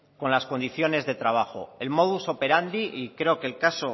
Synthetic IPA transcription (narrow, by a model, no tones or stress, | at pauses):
ko̞nlasko̞nd̪iθjo̞ne̞zðe̞t̪ɾaβ̞axo̞̰e̞lmo̞ðuso̞pe̞ɾand̪iʔikɾe̞o̞ke̞lkaso̞